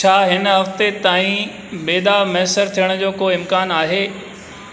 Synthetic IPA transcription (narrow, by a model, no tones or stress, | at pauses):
t͡ɕʰaːɦɪnɦɐft̪et̪aːĩ | beːd̪amɐɦəsəɾt̪ʰijəɽ̃d͡ʑoːkoːɪmkaːnaːɦeː